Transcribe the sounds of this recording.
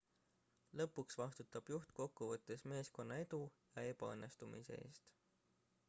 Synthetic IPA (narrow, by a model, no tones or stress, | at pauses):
lɤpːuksvɑst̪ut̪ːˑɑb̥juht̪ko̞kːuvɤt̪ˑːe̞sme̞ːsko̞nːɑe̞d̪ujɑe̞pɑɤ̰nːe̞st̪umḭsḛe̞̰ːst̪